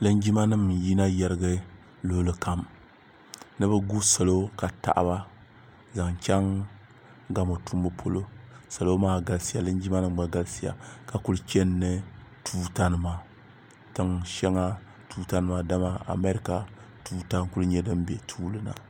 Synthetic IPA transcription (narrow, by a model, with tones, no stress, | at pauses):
lɨ˦nd͡ʒi˦ma˦nɨ˦mji˦na˦jɛ˦ɾɨ˦ɡɨ˦ | lʊ˦lɨ˨ka˨m | nɨ˦bɨ˦ɡu˦so˨lo˦ka˨ta̰˨ʔba˦ | za˨ŋt͡ʃʲɛ˦ŋ | ɡa˦mo˨tu˦mbɨ˦pʰo˦lo˦sa˨lo˦maː˦ɡa˨lsi˦ja˨lɨ˦nd͡ʒi˦ma˦nɨ˦m˨ɡ͡ba˨ɡa˦lsi˦ja̰˨ka˨ku˦lɨ˦t͡ʃɛ˦nːɨ˦tʰuː˦ta˦nɨ˨ma˨ | tɨ˦ŋʃɛ˦ŋa˦ | tuː˦ta˦nɨ˦ma˦da˦ma˦a̰˨me˦ɾi˦ka˨ | tuː˦ta˦ŋku˦lɨ˦ɲɛ˦dɨ˦m˦bɛ˨tʰuː˦lɨ˦na̰˨